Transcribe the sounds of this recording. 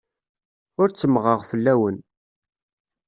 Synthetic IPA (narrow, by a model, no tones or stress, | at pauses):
ʊɾt͡sːəmʁəʁfəlːæwən